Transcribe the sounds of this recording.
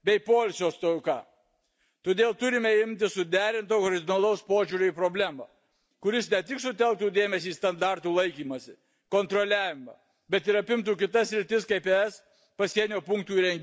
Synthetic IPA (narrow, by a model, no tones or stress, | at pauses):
bʲɛɪpoːlʲsʲoːst̪okɑ̰ː | t̪oːd̪ʲeːlˠt̪ʊɾʲɪmʲɛɪmʲt̪ʲɪssʊd̪ʲæːɾʲɪnt̪oːkɔɾʲɪd̪ʲɪnɐlˠɐʊspoːʒʲuːɾʲʊipɾobʲlʲæːmɐ̰ | kʊɾʲɪsnʲɛt̪ʲɪksʊt̪ʲɛlˠk̚t̪uːd̪ʲeːmʲɛsʲiːst̪ɐnd̪ɑˑɾt̪uːlˠɐɪkʲiːmɐsʲɪ | koːnt̪ɾɔlʲæːʋʲɪmɐ̰ | bʲɛt̪ɪɾɐpʲɪmt̪̬uːkʲɪt̪ɐssʲɾʲɪt̪ʲɪskɐɪpeɛs | pɐsʲiɛnʲoːpʊŋk̚t̪uːɾʲɛŋʲɡʲ